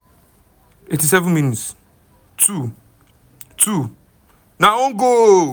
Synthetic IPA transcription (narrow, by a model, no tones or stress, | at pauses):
etis̬ɛvə̃nmĩnits | tʰu | tʰu | nãoŋɡo